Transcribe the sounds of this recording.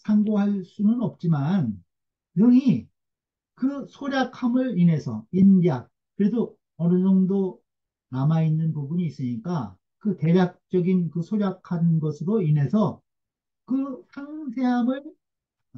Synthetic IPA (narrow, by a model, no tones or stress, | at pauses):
sʰaŋɡoɦaɭs͈unɯnʌp̚t͡ɕ͈iman | jʌŋi | kɯsʰoɾjakʰamɯɾine̞sʰʌ̰inɾjak̚ | kɯɾe̞do | ʌnɯd͡ʑʌŋdo | namainːɯnpubuɲiːs͈ɯɲik͈a | kɯte̞ɾjak̚t͡ɕ͈ʌɡinkɯsʰoɾjakʰannɡʌsʰɯɾoine̞sʰʌ | kɯsʰaŋsʰe̞ɦamɯɭ